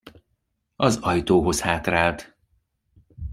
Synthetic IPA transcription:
ɒzɒjt̪oːɦo̞shaːt̪raːlt̪

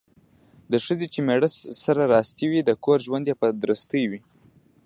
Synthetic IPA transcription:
d̪əʂəzet͡ʃemeɽəsːaɾaɾɑst̪iwid̪əkoɾʒwand̪japad̪ɾəst̪əjwi

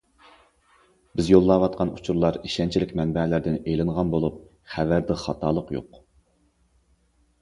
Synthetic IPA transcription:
bɪzjolˠːɑwɑt̪̚qʰɑnut͡ʃʰuɾlˠɑɾiʃɛnt͡ʃʰilɪkʲmɛnbɛlɪɾd̪ɪnelɪnʁɑnbolˠup̚ | χævæɾd̪ɪχɑt̪ʰɑːlˠəqjo̰q

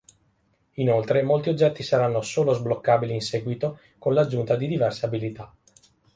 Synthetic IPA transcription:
inolt̪ɾemolt̪iod͡ʒːɛt̪ːisaɾanːosoːlozblokːaːbiliːnsɛːɡwit̪o | konlad͡ʒːunt̪ad̪id̪ivɛrseabilit̪a

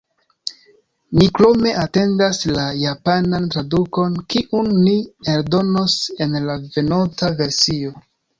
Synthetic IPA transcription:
niklo̞me̞ʔate̞ndaslajapanantɾaduko̞nkiʔunːieldo̞no̞se̞nlave̞notave̞ɾsio̞

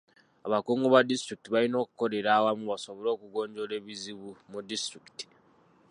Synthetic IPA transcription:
aβakuːŋɡoβadistɾikitiβalino̞ːkuko̞ɾe̞ɾaːwamuβaso̞βo̞lo̞ːkuɡo̞ːɲɟo̞le̞ːβiziβumudistɾiki̥ti̥

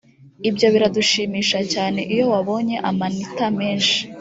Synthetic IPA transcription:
ibjo̞βiɾaduʃiːmiːʃacaːne̞ʔijo̞waβo̞ɲe̞ʔamanitame̞ːnʃi̥

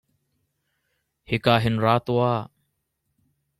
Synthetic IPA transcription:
hɪkaːɦɪnɾaːt̪oːaː

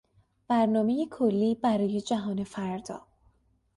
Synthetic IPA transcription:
b̥æɾnɒːme̞jekʰolːiːbæɾɒːje̞d͡ʒæɦɒːne̞fæɾd̪ɒ̰ː

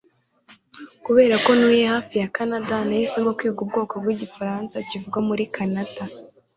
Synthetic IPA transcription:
kuβe̞ːɾako̞nuːjehaːfijakanadanajisemokwiːɡub̚ɡo̞ːko̞b̚ɡiɟifaɾaːnsacivuɡwamuɾikʰanata

